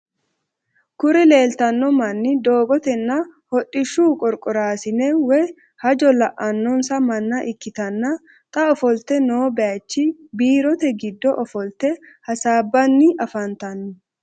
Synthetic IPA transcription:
kʊɾɪle̞ːlt̪ɐnːɔmɐnːɪd̪oːɡɔt̪ɛnːɐhɔɗʼːɪʃːuːkʼɔɾkʼʊɾaːsɪnɛwɛ | hɐd͡ʒɔlɐʔɐnːɔnsɐmɐnːɐʔɪkːɪt̪ɐnːɐ | t̪ʼɐɔfɔlt̪ɛno̞ːbɛjɐt͡ʃːɪbiːɾɔt̪ɛɡɪd̪ːɔʔɔfɔlt̪ɛ | hɐsaːbːɐnːɪʔɐfɐnt̪ɐnːʊ

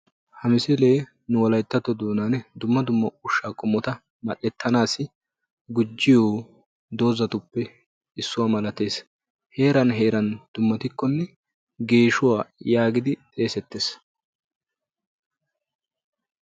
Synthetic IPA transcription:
hɐmɪsɛle̞ː | nʊwɔlɐjt̪ːɐt̪ːɔd̪uːnand̪ʊmːɐd̪ʊmːɐʊʃːaːkʼʊmːɔt̪ɐ | mɐʔɛt̪ʰːɐnaːsɪ | ɡʊd͡ʒːɪjoː | d̪o̞ːzɐt̪ʊpːɛ | ɪsːʊwaːmɐlɐt̪e̞ːs | he̞ːɾɐnɦe̞ːɾɐnd̪̥ʊmːɐt̪ɪkːɔnːɛ | ɡe̞ːʃʊwaːjaːɡɪd̪ɪt̪ʼe̞ːsɛt̪ːeːs

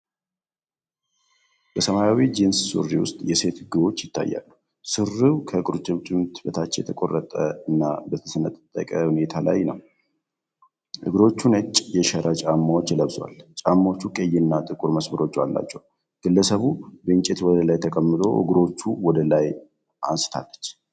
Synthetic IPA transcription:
bəsəmajawid͡ʒenssṵriwʊ̰st̪ʼjɛse̞t̪ɨɡɨβo̞t͡ʃːjɪt̪ːa̰jːa̰lːu | sɨrɨwkʰəkʼɨɾut͡ʃʼɨmt͡ʃʼɪmt̪ʰbət̪ʰat͡ʃːjɛ̰t̪ʰəkʼo̞rːət̪ʼəɨnːabət̪ʰəsənət̪ʼt̪ʼːəkʼəhune̞t̪ʰala̰jnəw | ʔɨ̰ɡɾo̞t͡ʃːunət͡ʃʼjɛʃɛɾʔat͡ʃʼamːawot͡ʃːjɛləβswa̰lt͡ʃʼamːaot͡ʃːukʼejɪnːat̪ʼɨkʼuɾməsməɾo̞t͡ʃːalːa̰t͡ʃːɛw | ɡ̥ɨlːəsəβubəɨnt͡ʃʼet̪wɔd̪əlajt̪ʰəkʼəmːɨt̪ʰʼo̞̰ʔɨ̰ɡɾo̞t͡ʃːuwɔd̪əlaj | ʔa̰nsɨ̥t̪ʰa̰lːət͡ʃː

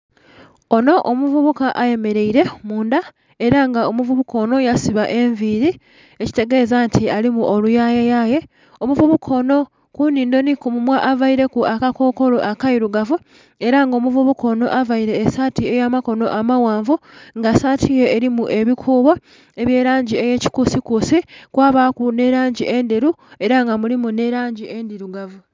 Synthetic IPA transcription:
o̞no̞ʔomuvuβukaʔaje̞me̞ɾe̞iɾe̞muːnda | e̞ɾaŋɡaomuvuβukʰo̞ːno̞jasiβaʔe̞ɱviɾi | e̞ci̥te̞ɡe̞zantʰialimuʔo̞lujaːjejaje̞ | omuvuβukʰo̞ːno̞ | kuniːndo̞nikumumwaʔavaiɾe̞kuakako̞ːko̞loʔakaiɾuɡavu | e̞ɾaŋɡo̞ːmuvuβukʰo̞no̞̰ʔavaiɾe̞ːsaːtie̞jaːmako̞no̞̰ʔamawaːɱvuŋɡasaːtʰije̞ːɾimuʔe̞βikʰuːβwa | e̞βje̞ːɾaːɲɟie̞je̞ːci̥kusikusikwaːβakune̞ɾaːɲɟiʔe̞ndiɾu | e̞ɾaŋɡamulimune̞ɾaːɲɟie̞ndiɾuɡavu

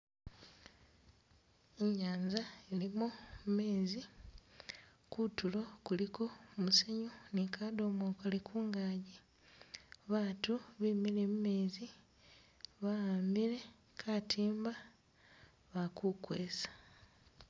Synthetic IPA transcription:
eɲaːɲzaelimumme̞ːzi | kutulo̞kuliko̞museɲonikaːdoːmoːkalikʰuːŋɡaːɟi | βaːtuβimilemume̞ːzi | βaaːmbile̞ | kʰaːtʰiːmba | βakukweːsḁ

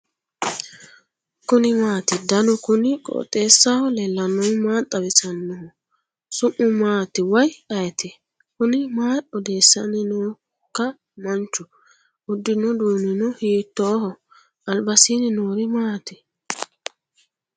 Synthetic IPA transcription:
kʊnɪmaːt̪ɪd̪ɐnɔkʊnɪkʼɔ̰ːt̪ʼːeːsːahɔlɛlːɐnːɔmaːt̪ʼːɐbɪsɐnːɔhɔ | sʊʔʊmaːt̪ɪwɐjɐjt̪ɛ | kʊnɪmaːɔd̪e̞ːsːɐnɪnoː | kːɐ | mɐnt͡ʃːʊ | ʊd̪ːɪnɔd̪uːnɪnɔhiːt̪ːɔːhɔ | ɐlbɐsinɪnoːɾɪmaːt̪ɛ

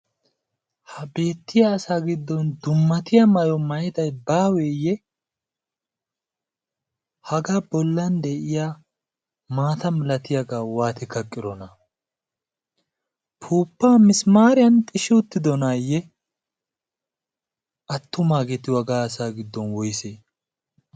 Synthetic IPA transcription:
hɐbe̞ːt̪ːɪjaːsaːɡɪd̪ːɔnd̪ʊmːɐt̪ɪjɐmɐjɔmɐjɪd̪ɐjbaːwɛjɛ | hɐɡabɔlːɐnd̪ɛʔɪjaː | maːt̪ɐmɪlɐt̪ɪjɐɡaːwaːt̪ɪkɐkʼːɪɾɔnɐ | pʰuːpːaːmɪsmaːɾɪjɐnt̪ʼɪʃɪʊt̪ːɪd̪ɔnajɛ | ʔɐt̪ːʊmaːɡɛt̪ɪwɐɡaːɐsaːɡɪd̪ːɔnwɔjseː

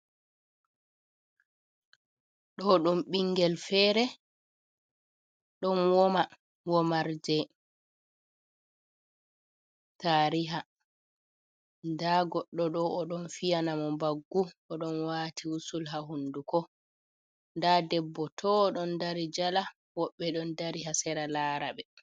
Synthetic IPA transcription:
ɗɔɗumɓiŋɡɛlfɛːɾɛ | ɗɔnwɔma | wɔmaɾd͡ʒɛ | taːɾiɦa | ndaɡɔɗːɔɗɔɔɗɔnfijanamɔmbaɡːuɔɗɔnwaːtʰiusulɦaɦundukɔ | ndadɛbːɔtʰɔːɗɔndaɾid͡ʒala | wɔɓːɛɗɔndaɾiɦasɛɾalaːɾaɓɛ

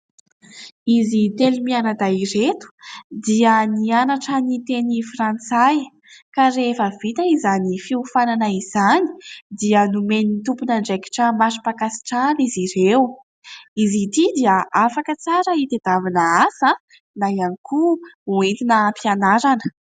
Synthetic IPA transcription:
izit̪elimianad̪airet̪u̥d̪iənianaʈ͡ʂanit̪enifrant͡saj | kaɾefəvit̪əizanifiufananaiz̥ani̥d̪iənumenit̪upunəɳɖ͡ʐeki̥ʈ͡ʂamasi̥pakasi̥ʈ͡ʂaniziɾew | izit̪id̪iəafakət͡saɾəit̪ed̪avinaasə | najanikʰuuet̪inəmpianaɾanə̥

